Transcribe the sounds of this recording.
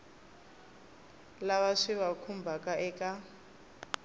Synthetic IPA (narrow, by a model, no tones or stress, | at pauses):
laβaʂiβakʰumbʱakʼaʔɛkʼa